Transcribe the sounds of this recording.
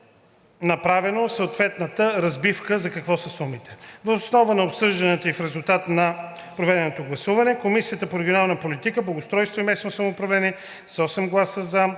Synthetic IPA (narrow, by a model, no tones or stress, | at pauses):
nɐpɾavɛnosəot̪vɛt̪nət̪əɾɐzbifkəzɐkɐkvɔsɐsumit̪ɛ̥vɐosnɔvənɐopsɤʒd̪ɐnɛt̪oifɾɛzulˠt̪at̪nɐ | pɾovɛd̪ɛnot̪oɡlˠɐsuvɐnɛkomisijət̪əpoɾɛɡʲionalˠnəpolit̪ikəblˠɐɡost̪ɾɔjst̪voimɛsnosɐmoːpɾɐvlɛniɛ | sɔsɛmɡlˠasəzɐ